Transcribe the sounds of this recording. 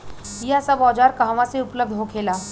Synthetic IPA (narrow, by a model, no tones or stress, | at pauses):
ijasabɔːd͡ʒaːɾkɐɦʋãseʊpləb̚d̪ʱɦokʰeːlaː